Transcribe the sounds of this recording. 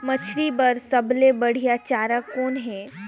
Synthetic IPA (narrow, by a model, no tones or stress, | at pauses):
mɐt͡ʃʰɾibɐɾsɐblebɐɽ̤ijat͡ʃaːɾakoːnɦɛː